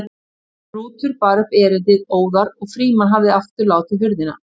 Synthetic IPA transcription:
ruːt̪ʰʏɾpaːɾʏpɛːɾɪnt̪ɪðoːwðaɾɔɣfɾiːmanɦavðɪaft̪ʏɾlaːwt̪ɪðhʏɾðɪna̰

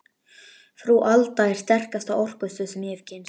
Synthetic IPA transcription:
fɾuʔalt̪aɪɾ̥st̪ɛr̥kast̪awɔr̥kʏstʏsɛmjɛvcɪns

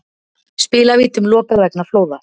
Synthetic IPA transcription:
spɪːlaviːt̪ʏmlɔːpavɛknafloːwða

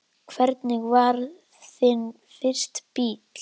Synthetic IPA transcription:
kʰvɛɾt̪nɪɣvaɾ | θɪn | fɪr̥st̪piːt̪l̥

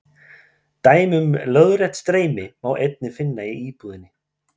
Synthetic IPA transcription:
t̪aːjmʏmlœðɾɛt̪st̪ɾeːjmɪmawʔejt̪̚nɪfɪnːaiiːpuðɪnːɪ

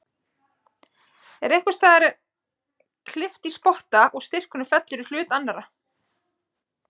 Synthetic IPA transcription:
ɛɾejhkʏ̥st̪aːðaɾ | kʰlɪft̪ispɔht̪aʔɔɣst̪ɪr̥kʏnʏfɛt̪lʏɾʏl̥ʏːt̪anːaɾa

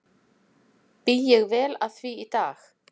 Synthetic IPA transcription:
pijɪɣvɛːlað̥θviːt̪aːx

